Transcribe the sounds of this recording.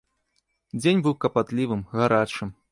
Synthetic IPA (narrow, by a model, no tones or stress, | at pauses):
d͡zʲenʲbɨwkɐpat̪lʲivɨmɣaɾat͡ʂɨm